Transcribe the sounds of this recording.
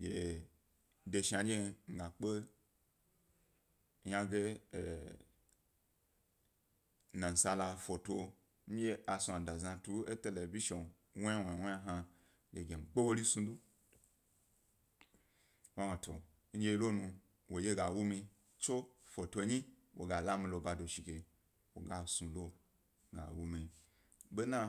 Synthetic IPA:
ɡe˨˦ | de˧ʃa˨d͡ʒe˦ŋ̩˦ɡa˨k͡pe˦ | ja˦ɡe˦˨ | na˨n̩˨sa˧la˧fo˨tʷo˧ | m̩˦je˦ʔa˨sũ˧a˨da˨zã˧tu˦e˦te˨le˨vi˦ʃo˨n | wwe˨we˦a˦ɦa˧ | le˨ɡʲe˨m̩˨ɡ͡be˦wo˦li˦sũ˧du˦ | wa˦wa˨tʰo˨ | n̩˦d͡ʒe˦lo˦nũ˧ | wʔo˨je˦ɡa˨wu˦mi˧ | t͡ʃo˦fo˨to˧˦ɲi˦wo̰˨ɡa˨la˦mĩ˧lo˧ba˧do˨ʃi˨ke˨ | wo̰˨ɡa˨sũ˧lo˦ | ɡa̰˨wu˦mi˧ | be˦nã˦

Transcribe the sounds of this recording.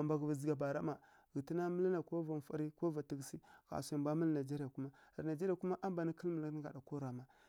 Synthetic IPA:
a˨mba˨ɣva˨zi˨ɡa˨ba˨ɾa˦ma˨ | ɣi˨ti˦na˦mə˦li˦na˨ko˦va˨n˨fa̰˦ɾi˦ko˦va˨ti˦ɡsi˦ka̰˨sa˨bʷa˦mə˦lna˨d͡ʒe˦ɾi˦ja˨ku˦ma˦a̰˨ɾna˨d͡ʒe˦ɾi˦a˨ku˦ma˦ʔa˦mba˨ni˦ki˦lmə˨lɡa̰˨da˨ko˦ɾa˨ma˨

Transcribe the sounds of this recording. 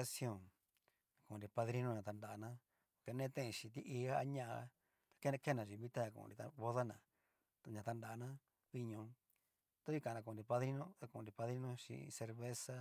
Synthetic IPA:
a˦sjõ˦˨ | a˨kũ˨ɾi˧pa˧ðɾi˦nõ˦ɲã˧˨t̪a˧nda˨ʔnã˦ | ke˧nẽː˦t̪ẽ˦ʔẽ˧ʃĩ˧t̪i˦ʔi˧a˦a˦ɲã˦ʔa˧ | t̪ḁ˧ke˦˧ke˦nã˨ʐi˧βĩ˦t̪a˦ã˧kṵ̃˧˨˧ni˧t̪a̰˧βo˦ða˦nã˨ | ɲã˧t̪a˧nda˨˧nã˦ | βi˦ɲõ˧ | t̪a˦i˦kã˨˧nã˧ku˧˨˧nɾi˧pa˧ðɾi˦nõ˦a˧kũ˧˨˧nɾi˧pa˧ðɾi˦nõ˦ʃḭ˧se˧ɾβe˦sa˦

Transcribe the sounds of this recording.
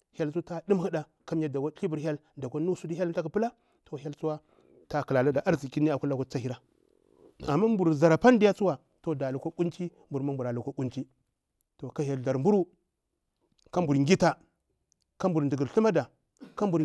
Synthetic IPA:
hja˦lsu˦ta˦du˦mhi˦da˨ | ka˦m˦ja˦da˨ka˦ɬi˦bu˨ɾɦʲja˦lda˨kʷa˦nu˦su˦di˦ja˦lta˦ku˨pə˦la˦ | to˨ɦʲja˦lt͡su˦wa˦ | ta˦ki˨la˨la˦da˨ʔa˦ɾzi˨ki˦ni˦a˨ku˦la˨ko˦t͡sa˦hi˦ɾa˦ | a˨mːa˦mbu˨ɾza˨ɾa˨pa˦n˦di˦ja˦t͡su˦wa˨ | to˨da˨lu˨ko˦ku˦nt͡ʃi˦mbu˨ɾma˦mbu˨ɾa˨lu˨ko˦ku˦nt͡ʃi˦ | to˨ka˦ja˨la˨ɾmbu˦ɾu˦ | ka˦mbu˨ɾŋɡʲi˦ta˨ | ka˦mbu˨ɾndu˨ɡɾɬu˦ma˦da˨ | ka˦mbu˨ɾ

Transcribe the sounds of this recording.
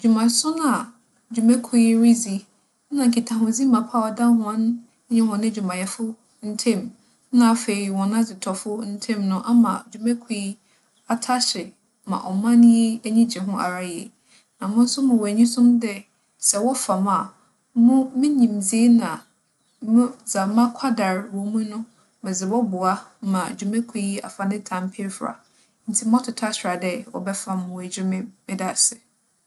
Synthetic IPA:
d͡ʑᶣu˨mã˨sʊ̃˦nã˨ | d͡ʑᶣu˨mæ̃˦kʰu˦i˦ɾi˦d͡zi˦ | nã˨ŋ̩˨kʰi˨tʰã˨ɦʊ̃˨zi˦mã˨pʰa˦˨wa˨dã˦ɦʊ̃˨˦ã˦n˦ | ɲɛ̃˦hɔ̃˨nɪ̃˦d͡ʑᶣu˨mã˨jɛ˨fʊ˦ | n̩˦tʰẽ˦˨m | nã˨fe˨i˨wɔ̃˨n˦ã˦d͡zɪ˨tʰɔ˨fʊ˦n̩˦tʰẽ˦mnʊ̃˦ʔa˦mã˨d͡ʑᶣu˨mɛ̃˦kʰu˨i˦ | a˨tʰa˦ɕɪ˨ | mã̰˨ʔɔ˨mã˦ñ˦je˦æ˦ɲĩ˦d͡ʑɛ˨ɦʊ̃˦ʔa̰˨ɾa˨jɛ̰˨ | nã˨mʊ̃˦n̩˦sʊ˦mʊ̃˨wɔ˨æ˨ɲĩ˦sʊ̃˦mdɛ˦ | sɛ˨wɔ˦fa˨ma˨ | mʊ̃˦mɪ̃˦ɲĩ˨md͡zi˦e˦nã˨ | mʊ̃˦d͡za˨mã˦kʰa˦da˨ɾwɔ˨mũ˦nʊ̃˦ | mɪ̃˨zɪ˨bɔ˦bʊ˨a˦mã˨d͡ʑu˨mɛ̃˦kʷʰi˦a̰˨fa˨nɪ̃˦tʰã˨mpʰɪ˦ɛ˦fɾa̰˨ | n̩˨tʰi˦m˦ɔ̃˦tʰʊ˨tʰa˦ɕɾa˨dɛ˦wɔ̰˨bɛ˦fa˦mʊ̃˨wæ˨d͡ʑᶣɪ˦mɪ̃˦mɪ̃˦da˨sɪ˨

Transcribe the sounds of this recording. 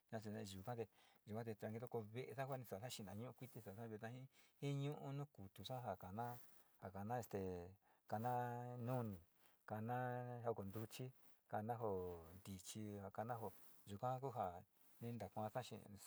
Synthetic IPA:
nã˧s̬i˧nẽ˧ʒu˨kã˦t̪e˧ʒu˨kã˦t̪̬e˧t̪ɾa˧ŋɡi˧t̪o˦ko˧βe˧ʔe˧sã˦kʷa˦˧nĩ˧sa˨ã˦ʃĩ˧˨nã˨ɲũ˦ʔũ˦kʷi˦t̪i˧sa˨sã˦βt̪ã˧ĩ˦hĩ˦ɲũ˦ʔũ˦nũ˦ku˨t̪u˨ʂã˦ɦa˨ka˨nã˦ | ha˨ka˨nã˦e˧st̪e˨ | ka˧nã˦nũ˦nĩ˨ | ka˧nã˦ha˧ko˨nd̪u˧t͡ʃi˦ | ka˧nã˦ɦo˧˨nd̪i˨t͡ʃi˧ha˨ka˧nã˦ɦo˧˨ | ʒu˨kã˦ku˦ɦa˧˨ | nĩ˧nd̪a˨kʷã˧sã˦ʃḭ̃˧

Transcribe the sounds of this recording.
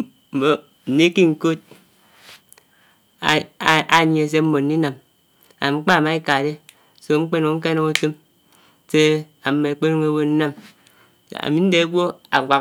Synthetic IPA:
m̩˨mo˨ | n̩˨ni˦ki˦ŋ̩˨ko˦t̚ | a˨ɲ˨e˨s̬e˦m̩˦mo˨n̩˨˦i˦na˨m | a˨mŋ͡m̩˦k͡pa˦˨ma˨˦i˦ka˨de˦ | so˨ŋ͡m̩˦k͡pe˦no˨o˦k̬e˦no˦ŋo˦te˦m | se˦a˨mːe˨e˨k͡pe˦n˦ŋe˦wo˦n̩˦na˦m | a̰˨mi˦n̩˦de˨a˦ɡʷo˦a̰˨ɡʷa˨

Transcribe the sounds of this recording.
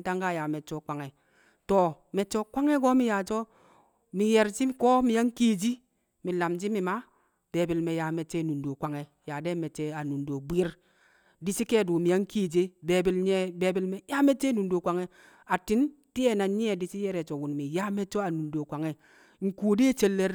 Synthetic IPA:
ta˦ŋka˦˨ja˨me˨t͡ʃo˦˨kʷa˨ŋe˨ | to˨ | me˨t͡ʃo˦kʷa˦ŋe˦ɡo˦mi˦ja˨d͡ʒo˦ | mi˨je˨ɾt͡ʃi˦ko˦mi˨a˦ŋ̩˦ki˦˨d͡ʒi˦ | mi˨la˨md͡ʒi˦mi˨ma˦ | b̥e˨bi˨lme˨ja˨˦me˨t͡ʃːe˦˨nu˨ndo˨kʷa˨ŋe˨ja˨de˦me˨t͡ʃe˦a˨nu˨n˨do˨bʷi˦ɾ | di˦si˦ke˦˨du˨mi˨a˨ŋ̩˦ki˦˨d͡ʒe˦be˨bi˨lɲe˦be˨bi˨lme˨˦ja˦me˦t͡ʃe˦nu˨n˦do˨kʷa˨ŋe˦ | a˨ti˦n˦ | ti˦e˦˨na˨˦ɲi˦e˨di˨si˦je˦ɾe˨t͡ʃo˨wu˨n˨mi˨ja˦me˦t͡ʃo˦a˨nu˨n˨do˨kʷa˨ŋe˨ | ŋ̩˨ku˨˦de˦t͡ʃe˦lːe˦ɾ

